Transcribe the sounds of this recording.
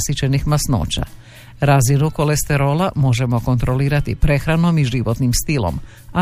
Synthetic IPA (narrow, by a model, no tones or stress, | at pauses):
sit͡ɕenixmasno̰ːt͡ɕa̰ | ɾazinuko̞le̞st̪e̞ɾo̞ːlamo̞ʒe̞mo̞ko̞nt̪ɾo̞liːɾat̪ipɾe̞xɾano̞miʒiʋo̞t̪nimst̪ilo̞̰m | a